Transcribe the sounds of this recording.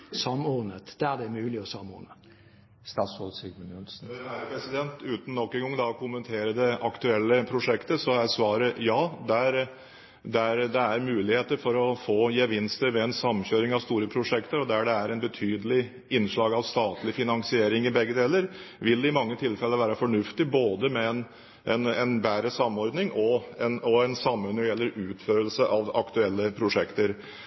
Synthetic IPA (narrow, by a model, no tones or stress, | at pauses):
sɑmːɔnət̪d̪̥æd̪ɛmʉːlɪɔsɑmːɔ̰ɾnə | st̪ɑːt̪sɔsɪɡmənʊnsn̩æpʰɾɛsɪd̪ɛnt̪ʉːt̪n̩ːɔkːɛŋɡɔŋd̪ɑkʰʊmːənt̪ʰeːɾəd̪ɛɑkt̪ʉɛlːəpʰɾʊʂɛkt̪əsɔæɾsʋɑːɾəjɑːd̪æɾ | d̪æɾd̪ɛæɾmʉːlɪheːt̪əɾfɔɾɔfoːjɛʋɪnst̪əɾʋɛɛnsɑmːɕøːɾɪŋɑʋst̪uːɾəpʰɾʊʂɛkt̪əɾɔd̪æɖɛæɾɛnbət̪ʰyːd̪əlɪ | ɪnːʂɭɑːɡɑʋst̪ɑːt̪lɪfɪnɑŋsɪeːɾɪŋɪbɛɡːəd̪eːləɾʋɪlɪmɑŋːət̪ʰɪlfɛlːəʋæːɾəfɔɳʉft̪ɪboːd̪əmɛɛn | ʔɛnɛnbæːɾəsɑmːɔɾd̪nɪŋʔɔɛnɔɛnsɑmːʉnːɔjɛlːəɾʉːt̪føːɾəlsəʔɑʋɑ̰kt̪ʉɛlːəpʰɾʊʂɛkt̪əɾ